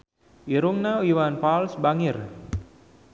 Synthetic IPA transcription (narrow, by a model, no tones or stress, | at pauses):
iɾuŋnauiwanpalsbaŋɪr